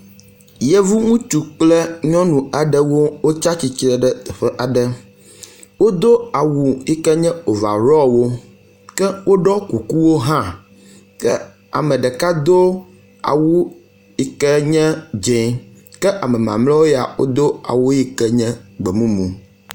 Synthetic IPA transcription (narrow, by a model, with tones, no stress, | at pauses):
jɛ˦vu˦ŋũ˦t͡ʃu˨k͡plɛ˦ɲɔ̃˦nũ˨a˨ɖɛ˦wo˦wo˦t͡ʃa˦t͡ɕi˨t͡ʃɾɛ˦˨ɖɛ˦˨ɸɛ˦ʔa˨ɖɛ˦ | wo˦d̪o˦a˨wu˨i˦kɛ˦ɲɛ̃˦o˨va̰˨ɾɔ˦wo˦ | kɛ˦wo˦ɖɔ˦ku˨ku˦wo˦ɦã˦ | kɛ˦ | a̰˨mɛ̃˨ɖɛ˨ka˦d̪o˦ | a̰˨wu˦ | i˨kɛ˦ɲɛ̃˦d͡ʒe˨ | kɛ˦ʔa˨mɛ̃˨mã̰˨mlɔ˦wo˦ja̰˨wo̰˦d̪o˦a̰˨wu˦ji˦kɛ˦ɲɛ̃˦ɡ͡bɛ˨mũ˦mũ˨